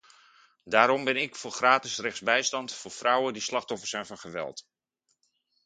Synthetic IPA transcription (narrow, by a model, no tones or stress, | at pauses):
daːɾɔmbɛnɪkfʊːɹχraːtɪsrɛχzbɛjstɑntfʊːɹfrʌwəndislɑχtɔfəɹsɛjnvɑnχəʋɛ̰lˠt